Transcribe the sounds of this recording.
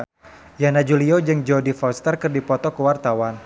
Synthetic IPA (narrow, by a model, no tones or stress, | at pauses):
janad͡ʒuliod͡ʒɨŋd͡ʒɔdifɔwst̪ərkɨrdipɔt̪ɔkəwart̪awan